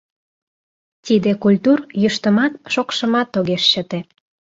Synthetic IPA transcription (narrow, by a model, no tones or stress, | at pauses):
t̪id̪ekulʲt̪urjəʃt̪əmɑt̪ʃokʃə̆mɑt̪ːoɣeʃɕət̪e